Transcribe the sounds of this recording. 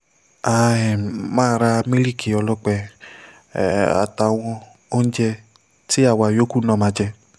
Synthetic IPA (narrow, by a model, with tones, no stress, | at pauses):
a˦˨ɛ˨mãː˦˨˦ɾa˧mĩ˦li˦˨kʰi˨ɔ˧lɔ˦k͡pɛ˧˨ | a̰˨ta˨w̃ɔ̃˧ | o˦n̩˦d͡ʒɛ˧ | ti˦a˦˨wa˨jo˦ku˦˨˦nã˦˨mã˧d͡ʒɛ˧